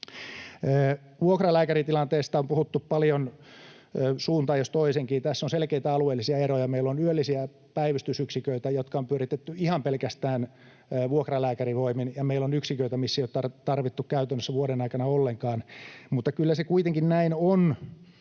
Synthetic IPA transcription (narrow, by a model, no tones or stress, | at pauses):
əː | ʋuokrɑlæːkærit̪ilɑnt̪eːst̪ɑompuhut̪ːuppɑljonː | suːnt̪ɑːjost̪oiseŋkiːt̪æsːonselkeit̪æɑlueːlːisiɑerojɑmeilːonyølːisiæ | pæiʋist̪ysyksikøit̪æjot̪kɑompyøɾit̪et̪ːyihɑmpelkæst̪æːnː | ʋuokrɑlæːkæriʋoiminjɑmeilːonyksikøit̪æmisːeijot̪ɑrt̪ɑrʋit̪ːukkæyt̪ønːøsːæʋuoɾenɑikɑnɑolːeŋkɑːnmut̪ːɑkylːæsekuit̪eŋkinnæinon